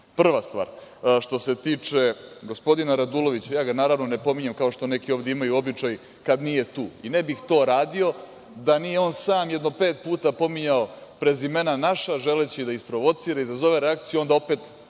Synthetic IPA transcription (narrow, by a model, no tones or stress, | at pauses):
pr̩ʋast̪ʋa̰ːɾʃt̪o̞se̞t̪iːt͡ʂe̞ɡo̞spo̞d̪inaɾad̪ulo̞ʋit͡ɕajaːɡanaːɾaʋno̞ne̞po̞miɲemkao̞ʃt̪o̞ne̞kio̞ːʋd̪eimajuo̞bit͡ʂaj | kad̪nije̞t̪uːinebixt̪o̞ːɾaːd̪io̞ | d̪anijeo̞ːnsaːmjɛd̪no̞pe̞ːt̪̚puːt̪apo̞miɲaopɾezime̞nanaʃaʒe̞let͡ɕid̪aispɾo̞ʋo̞t̪siːɾaizazo̞ʋe̞ɾeakt̪sijuo̞nd̪ao̞pet̪